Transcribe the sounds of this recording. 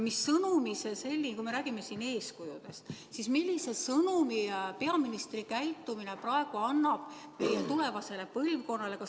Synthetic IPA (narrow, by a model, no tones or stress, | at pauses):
misːɤnumisese̞lʲːikujme̞ɾæːɡ̥ime̞siːne̞ːskujud̪̥e̞st̪ | sismilʲːise̞sɤnumipe̞ɑminist̪rikæjt̪ːˑumine̞prɑe̞ɡ̥uɑnːɑb̥mejet̪ule̞vɑse̞le̞pɤlvko̞nːɑle̞kɑ